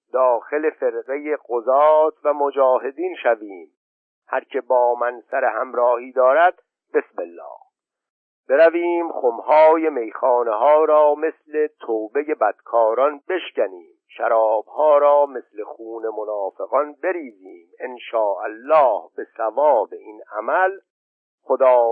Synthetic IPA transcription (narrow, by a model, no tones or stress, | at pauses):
d̪ɒːxe̞le̞fe̞ɾɢe̞jeɣozɒːt̪ʰvæmod͡ʒɒːɦe̞d̪iːnʃæviːm | hæɾcʰe̞bɒːmænsæɾehæmɾɒːhiːd̪ɒːɾæd̪̚ | be̞smelːɒ̰ːh | b̥e̞ɾæviːmχomhɒːje̞me̞jxɑːneɦɒːɾɒːme̞sle̞t̪ʰoːbe̞je̞bæd̪̥kʰɒːɾɒnbe̞ʃcæniːmʃæɾɒːb̥hɒːɾɒːme̞slexuːne̞monɒːfe̞ɣɒnbe̞ɾiːziːmenʃɒːʔælːɒːhb̥e̞sævɒːbe̞inæ̰mæl | xod̪ɒː